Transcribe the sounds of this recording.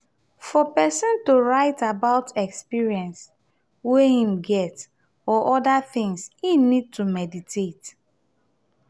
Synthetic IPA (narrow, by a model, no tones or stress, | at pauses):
fɔpɛsɔ̃ntuɹaɪtabaʊtɛkspiɹiɛ̃ns | wɛhĩmɡɛt | ɔʔɔdaθɪ̃ŋshinid̚tumɛditʰet